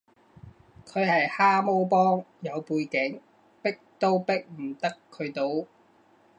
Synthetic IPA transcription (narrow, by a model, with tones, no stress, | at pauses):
kʰɵ˨˧ɥhɐ˨jhaː˥mo˥wpɔː˥ŋjɐ˨˧wpuː˧jkɪ˨˥ŋ | pɪ˥k̚t̪o˥wpɪ˥k̚m̩˨˩t̪ɐ˥kʰːɵ˨˧ɥt̪o˥w